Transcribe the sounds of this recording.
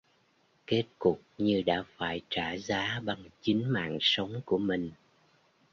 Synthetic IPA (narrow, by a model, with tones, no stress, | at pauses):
ke˦˥t̚kʊ˨˩k͡p̚ɲɨ˧ɗa̰ː˧˥faː˧˩jt͡ɕaː˧˩zaː˨˦ɓa˨˩ŋt͡ɕï˨˦ŋ̟ma̰ː˧˨ŋsə˨˦wŋ͡mku˧˩əmï˨˩ŋ̟